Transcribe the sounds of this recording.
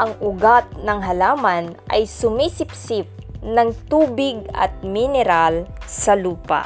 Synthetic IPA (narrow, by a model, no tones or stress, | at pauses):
ʔɐŋʔʊɡat̪̚nɐŋɦɐlaːmanʔɐ̰jsʊmisɪpsɪp̚nɐŋt̪uːbɪɡ̚ɐ̰t̪̚mɪnɛɾalsɐluːpa̰